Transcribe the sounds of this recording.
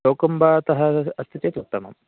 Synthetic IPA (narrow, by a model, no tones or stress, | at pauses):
oːkumbaːɐt̪ɐɦɐɐst̪ʰit̪eːt̪ut̪ːɐmɐ̰m